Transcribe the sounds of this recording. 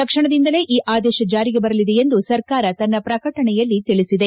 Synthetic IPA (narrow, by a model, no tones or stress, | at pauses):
t̪ɐkʂɐɳɐd̪ind̪ɐle̞ːʔiːʔaːd̪ɛːʃɐd͡ʒaːɾiɡebɐɾɐlid̪eend̪usɐɾkaːɾɐt̪ɐnːɐpɾɐkɐʈɐɳɛjɐlːit̪iɭisid̪e̞